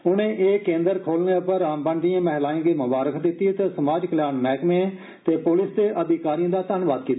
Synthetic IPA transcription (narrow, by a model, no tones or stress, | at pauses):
ʊnẽːʔeːkẽːnd̪əɾkʰoːlnẽːəpəɾaːmbə̃ːɳɖijãːmɛɦlaːĩːɡeːmʊbaːɾəkʰd̪ɪt̪ːiːt̪eːsəmaːd͡ʒkəljaːnmɛːkmẽ | t̪eːpʊlɪsd̪eːʔəd̪ɪkaːɾijãːd̪aːt̪ənʋaːd̪̚kiːt̪ː